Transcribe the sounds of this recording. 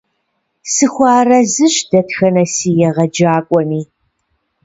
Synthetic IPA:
sɨxʷɑːrɐzɨɕdɐtxɐnɐsiːjɛʁɐd͡ʒaːkʷʼɔniː

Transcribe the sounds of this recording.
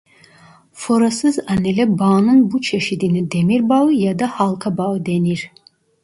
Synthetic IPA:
foɾasɯzanɛlɛbɑːnɯnbut͡ʃʰeʃid̪inid̪emiɾbaɯjad̪ahalˠkʰabaɯd̪eniɾ

